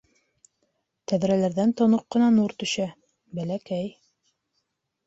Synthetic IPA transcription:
t̪æðɾælæɾðænt̪ŏnoqːɤ̆nɑnuɾt̪ɵ̆ʃæ | bælækæj

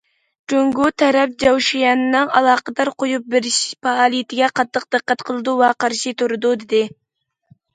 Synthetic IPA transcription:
d͡ʒøŋɡut̪ʰɛɾɛp̚d͡ʒɑwʃijɑnɨnɨŋɑlˠɑːqəd̪ɑɾqʰojup̚bɪɾɪʃpʰɑːlˠijɪt̪ʰɪɡʲɛqʰɑt̪ːəq̚d̪ɨqːæt̪qʰəlˠɨd̪uwɛqʰɑɾʃit̪ʰuɾɨd̪ud̪ɪd̪ɪ

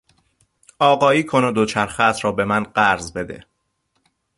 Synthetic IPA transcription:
ɒːɢɒːiːkʰonod̪ot͡ʃʰæɾxæːt̪ʰɾɒːbe̞mænɢæɾzbe̞d̪ḛ

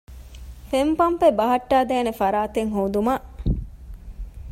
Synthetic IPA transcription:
fempɐmpebɐɦɐʈːaːd̪ɛːnefɐɾaːt̪eŋɦoːd̪umɐʔ

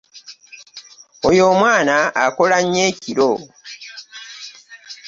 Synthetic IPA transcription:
ojo̞ːmwaːnaːkolaɲːeːciɾo

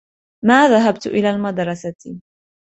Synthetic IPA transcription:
maːðaɦab̚t̪ʔɪlaːlmad̪ɾˤɑsa

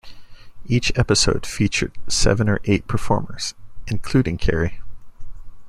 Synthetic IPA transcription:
it͡ʃɛpɨsoʊd̥fit͡ʃə̰˞d̥̚sɛ̰vɨ̃nə̰˞ʔeɪt̚pʰə˞fɔ̰ɹmə˞z̥ʔɨ̃nkʰl̥ʉɾɪ̃ŋkʰɛ̰ɹi

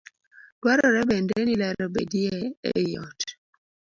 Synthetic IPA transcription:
d̥waɾɔɾɛbɛndɛnilaɾɔbḛdiɛɛ̰jɔ̰t

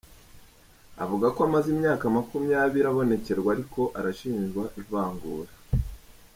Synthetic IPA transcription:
a̰vuɡakoamazimɲaːkamakumjaːβiɾaβo̞ne̞ce̞ɾɡwaɾiko̞ʔaɾaʃiːnʒɡwaʔivaːŋɡuːɾa

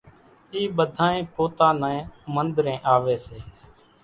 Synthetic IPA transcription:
iːɓəd̪ʱãːẽːpoːt̪ãːnãːẽːmənd̪ɾẽːʔaːʋeːseː

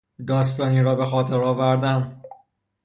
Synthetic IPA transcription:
d̪ɒːs̬t̪ɒːniːɾɒːbe̞xɒːt̪ʰeɾɒːvæɾd̪æn

